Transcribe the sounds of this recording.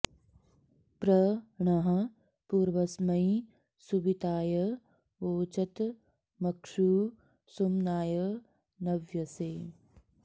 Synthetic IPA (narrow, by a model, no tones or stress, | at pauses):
pɾɐɳɐɦɐ | puːɾʋɐsmɐji | subit̪aːjɐ | oːt͡ʃɐt̪ | mɐkʂuː | sumnaːjɐ | nɐʋjɐseː